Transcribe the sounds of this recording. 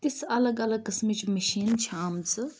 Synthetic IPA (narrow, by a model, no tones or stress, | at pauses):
t̪isɐlɐɡɐlɐɡ̚kɪsmit͡ʃmɐʃiːnt͡ʃʰaːmt͡sɨ